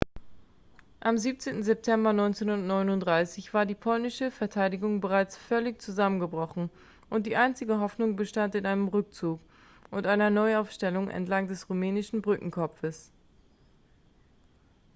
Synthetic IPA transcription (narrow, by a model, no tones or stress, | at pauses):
ʔamziːp̚t͡seːntn̩zɛp̚tʰɛmbɐnɔʏnt͡senhundɐtnɔʏnʊntd̥ʁaɪsɪçv̥aːɐdiːpʰɔlnɪʃəfɛɐtʰaɪdɪɡʊŋbəʁaɪt͡sfœlɪçt͡suzamənɡəbʁɔχn̩ | ʔʊntd̥iːʔaɪnt͡sɪɡəɦɔfnʊŋbəʃtantɪnʔaɪnəmʁʏk̚t͡suːk | ʔʊntʔaɪnɐnɔʏaʊfʃtɛlʊŋʔɛ̰ntlaŋd̥ɛsʁumɛːnɪʃn̩bʁʏkŋ̩kʰɔpp͡fəs